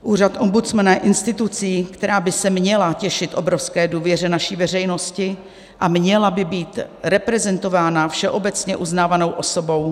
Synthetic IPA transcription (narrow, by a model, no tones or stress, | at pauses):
ʔuːr̝at̪ʔo̞mbut͡smanaɛʔɪnst̪ɪt̪ut͡siːkt̪ɛɾaːbɪsɛmɲɛlacɛʃɪt̪ʔo̞bɾofskɛːduːvjɛr̝ɛnaʃiːvɛr̝ɛjno̞scɪ | ʔamɲɛlabɪbiːt̪ɾɛpɾɛzɛnt̪o̞vaːnafʃɛʔobɛt͡sɲɛʔuznaːvano̞wʔoso̞bo̞w